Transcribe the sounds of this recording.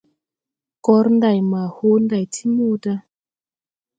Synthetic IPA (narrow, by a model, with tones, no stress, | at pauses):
kɔ˦ɾn˦da˨jma˨ho˦nda˨jtʰi˦mu˦da˦